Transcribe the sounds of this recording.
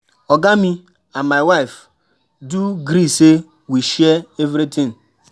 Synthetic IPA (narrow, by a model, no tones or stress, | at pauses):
ɔɡami | anmaɪwaɪf | duɡɾise | wiʃɛevɾitʰɪ̃ŋ